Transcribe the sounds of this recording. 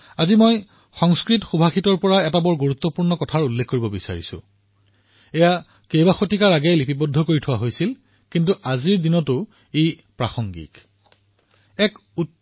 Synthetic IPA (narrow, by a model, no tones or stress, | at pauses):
azimoj | xɔŋskɹitxubʱaxitɔɹpɔɹaɛtabɔɹɡuɹut̪ːɔpuɹnɔkɔtʰaɹulːekʰːoɹibɔbisa̰ɹḭsʊ̰ | ɛja | kejbaxotikaɹaɡejlipipɔdʱːɔkoɹitʰʊwaɦojsil | kintuʔaziɹdinɔtʊ | e | pɹa̰xɔŋɡḭk | ɛku